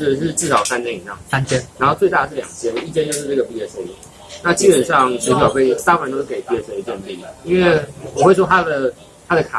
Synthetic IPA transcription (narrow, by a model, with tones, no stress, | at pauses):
ʂɻ̩˥˧ʈ͡ʂɻ̩˥˩ʂɑ˨˩ʊsa˥njɛ˥ni˨˩ɑ̰˥˩ŋa˥ntjɛ˦nna˧˥nxo˥˧ʊt͡swe˥˧ɪa˥˩ə˩ʂɻ̩˥˩ljɑ̰˨˩ŋt͡ɕjɛ˥nə˨i˥˩t͡ɕjɛ˥nt͡ɕjʊʂɻ̩˥˧ʈ͡ʂə˥˩ɡə˩pi˥˩jɛ˥˧˩so˥˩ʊlu˨˩˦ | na˥˩t͡ɕi˥pə˨˩nʂɑ˥˨ŋt͡ɕɛ˧˥˩pe˥˩ə˧˩sa˥wa˨˥nt̪o˥ʊʂɻ̩˥˩ke˧˩ɪpi˥˧ɛ˧˥st͡ɕjɛ˥˧npi˥˩˨i˥nwe˥˩ɪwɔ˨˩xwe˥˩ɪʂwɔ˥t̪ʰa˥d̪ə˨ | t̪ʰa˥d̪ə˨kʰa̰˨˩